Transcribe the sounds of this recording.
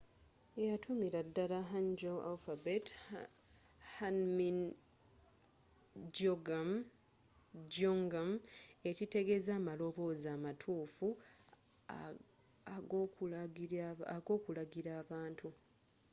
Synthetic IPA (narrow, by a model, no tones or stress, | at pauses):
ejatʰumiɾadːalaɦaɲɟoa̰lfabet | hanmin | d͡ʒoɡam | ɟoŋɡame̞cite̞ɡe̞zaːmalo̞βo̞zaːmatʰuːfu | aɡ | aɡo̞ːkulaɡiɾaːβaːntʰu